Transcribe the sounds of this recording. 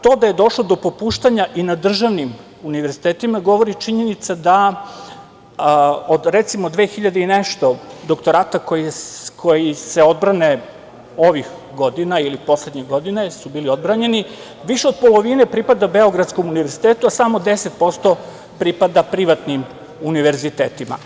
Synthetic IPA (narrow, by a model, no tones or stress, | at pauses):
t̪o̞ːd̪aje̞d̪o̞ʃlˠo̞d̪o̞popuːʃt̪aɲaʔinad̪r̩ʒaʋnim | uniʋe̞ɾzit̪eːt̪imaɡo̞ʋo̞ɾit͡ʃiɲe̞nit̪sad̪a | od̪ɾet̪simod̪ʋe̞ːxiʎad̪eineʃt̪o̞d̪okt̪oɾaːt̪akojikʰo̞jise̞o̞d̪̚bɾane | o̞ʋix | ɡo̞d̪inailipo̞sle̞d̪ɲeɡo̞d̪ine̞subiːlio̞d̪bɾaɲe̞ni | ʋiʃeo̞d̪̚po̞lˠo̞ʋinepɾipad̪abeo̞ɡɾad̪sko̞muniʋe̞ɾzit̪eːt̪uasamo̞d̪e̞set̪̚po̞st̪o̞ | pɾipad̪apɾiʋat̪nim | uniʋe̞ɾzit̪eːt̪ima̰